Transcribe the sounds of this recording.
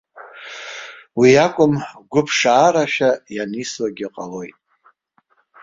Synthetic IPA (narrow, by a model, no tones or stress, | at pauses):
wiakʷʼʊmɡʷʊpʰʂaːɾaʃᶣajanislaɡʲiqʼalo̞jtʼ